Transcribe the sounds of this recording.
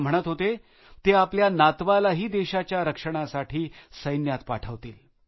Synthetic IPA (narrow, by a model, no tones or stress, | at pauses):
m̤əɽ̃ət̪ɦot̪e | t̪eapljanat̪ʋalaɦiːd̪eɕat͡ɕjaɾəkʂəɽ̃asaʈʰiːsəjnjat̪paʈʰəʋt̪iːl